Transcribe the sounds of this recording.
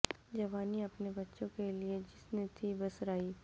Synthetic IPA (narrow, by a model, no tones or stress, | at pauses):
d͡ʒɐʋaːniɐpnebɐtːʃõkelied͡ʒɪsnet̪ʰibɐsɾaːiː